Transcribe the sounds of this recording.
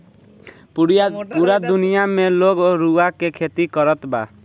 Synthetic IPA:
puɾad̪unijamẽloɡoɾuakekʰet̪ikɔɾɔt̪ba̰

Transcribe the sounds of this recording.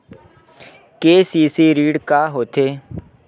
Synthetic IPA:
keːsiːsiɾiːɖkaːɦoːt̪eː

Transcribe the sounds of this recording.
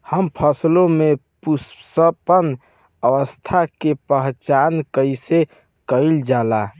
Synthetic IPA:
həmpʰəslomepussəpən | əʋəst̪ʰakepəɦt͡ʃankəjse | kəjld͡ʒala

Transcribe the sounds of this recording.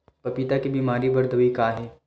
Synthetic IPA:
pɐpit̪akibiːmaːɾibɐɾd̪əʋikaːɦɛː

